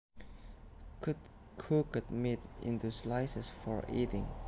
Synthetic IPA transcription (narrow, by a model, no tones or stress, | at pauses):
kʰut | kʰukət̚mitḭ̃nt̪uslaɪsəsfɔɹḭtɪ̃ŋ